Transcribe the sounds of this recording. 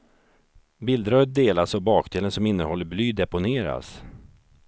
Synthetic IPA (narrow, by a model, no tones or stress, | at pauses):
bɪld̪ɾœt̪̚d̪eːlasɔbɑːkd̪eːlənsɔmɪnːəhɔlːəɾblyːd̪ɛpʊneːɾa̰s